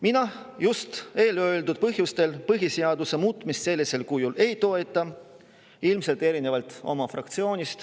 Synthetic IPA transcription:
minɑ | just̪e̞ːløld̪ud̪̥̚pɤɦjust̪e̞lpɤɦise̞ɑd̪use̞muːt̪ːˑmist̪se̞lːise̞lkujule̞jt̪o̞e̞t̪ːˑɑ | ilmse̞lt̪ˑe̞ɾine̞vɑlt̪ˑo̞̰mɑfrɑ̰k̚t̪sio̞ːnʲist̪

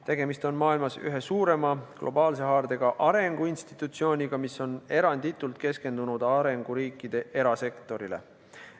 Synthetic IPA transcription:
t̪e̞ɡ̥e̞mist̪o̞nmɑːilmɑsy̰ɦe̞suːɾe̞mɑɡ̥lʔo̞bɑːlse̞ɦɑːrd̪̥e̞ɡ̥ɑʔɑɾe̞ŋɡ̥uinst̪i̥t̪ːˑut̪sio̞ːnʲiɡ̥ɑmiso̞ne̞ɾɑnd̪̥it̪ːˑult̪ke̞ske̞nd̪̥unud̪̥ɑɾe̞ŋɡ̥uɾiːkːˑid̪̥e̞ʔe̞ɾɑse̞kt̪ˑo̞ɾile̞̰

